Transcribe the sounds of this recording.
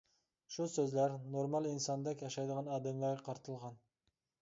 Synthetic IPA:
ʃusøzlæɾnoɾmɑlˠinsɑnd̪ɛkʲjɑʃɑjd̪əʁɑnɑːd̪ɛmlˠɑɾɡɑqʰɑɾt̪ʰɨlˠʁɑn

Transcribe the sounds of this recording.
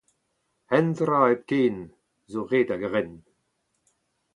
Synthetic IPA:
ɛnd̪ɾaːɛb̚keːn | zoʁeːdaɡəʁɛn

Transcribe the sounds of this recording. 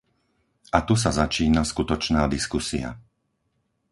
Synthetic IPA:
ʔat̪us̬azat͡ʃiːnaskut̪ɔt͡ʃnaːd̪iskusia̰

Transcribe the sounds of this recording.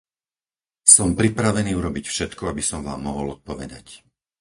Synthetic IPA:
sɔmpɾipɾaʋɛniːuɾɔbicfʃɛt̪kɔabisɔmʋaːmːɔɦɔlɔt̪̚pɔʋɛ̰d̪a̰c

